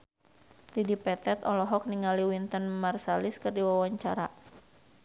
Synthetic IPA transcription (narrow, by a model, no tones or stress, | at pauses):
didipɛt̪ɛt̪ɔlɔɦɔk̚niŋaliwint̪ənmarsalɪskɨrdiwawaɲt͡ʃaɾa̰